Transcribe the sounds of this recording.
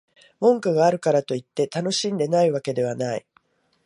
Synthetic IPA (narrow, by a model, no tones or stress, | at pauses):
mõ̞ŋkɯɡaːɾɯ̟kaɾat̪o̞it̪ːe̞t̪ano̞ɕĩnd̪e̞naiβake̞d̪e̞βanai